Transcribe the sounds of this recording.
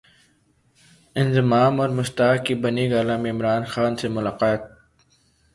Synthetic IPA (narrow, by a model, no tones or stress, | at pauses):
ɪnzɪmaːmɔːɾmʊst̪aːkkːibɐniɡaːlãmẽɪmɾaːnxaːnsemʊlaːqaːt̪̚